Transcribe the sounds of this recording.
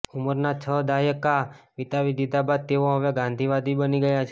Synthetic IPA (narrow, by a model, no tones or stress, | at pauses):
ʊməɾnat͡ʃʰəd̪ajəkaʋit̪aʋid̪ʱid̪abad̪̚t̪eoɦəʋeɡãnd̪ʱiʋad̪ʱibəniɡəjat͡ʃʰe